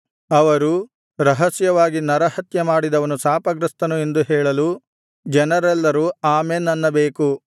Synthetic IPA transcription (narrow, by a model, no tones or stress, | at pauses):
ɐʋɐɾu | ɾɐɦɐsjɐʋaːɡinɐɾɐhɐt̪jɐmaːɽid̪ɐʋɐnusaːpɐɡɾɐst̪ɐnue̞nd̪uɦɛːɭɐlu | d͡ʒɛnɐɾɛlːɐɾuaːmenːɐnːɐbeːku